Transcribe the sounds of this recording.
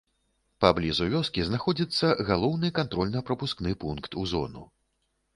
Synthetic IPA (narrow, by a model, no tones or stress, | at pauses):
pablʲizuvʲɔskʲiznaxɔd͡zʲit̪sːɐɣalˠɔwnɨkant̪ɾɔlʲnɐpɾɐpusknɨpunkt̪uzɔ̰nṵ